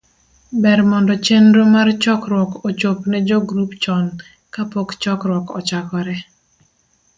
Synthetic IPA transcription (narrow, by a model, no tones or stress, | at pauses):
bɛɾmɔndɔt͡ʃenɾomart͡ʃɔkɾwɔkot͡ʃopnɛd͡ʒoɡɾupt͡ʃɔn | kapokt͡ʃɔkɾwɔkɔ̰t͡ʃakɔɾɛ